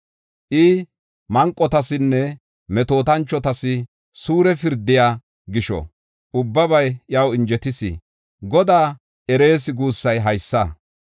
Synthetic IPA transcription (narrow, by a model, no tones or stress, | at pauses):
ʔɪ | mɐŋkʼːɔt̪ɐsɪnːɛ | mɛt̪o̞ːt̪ɐnt͡ʃːɔt̪ɐsɪ | suːɾɛfɪɾd̪ɪjaː | ɡɪʃɔ̰ | ʊbːɐbɐjʔjɐwɪnd͡ʒɛt̪ɪsɪ̰ | ɡɔd̪aː | ʔɛɾe̞ːsɪɡuːsːɐjɦɐjsːɐ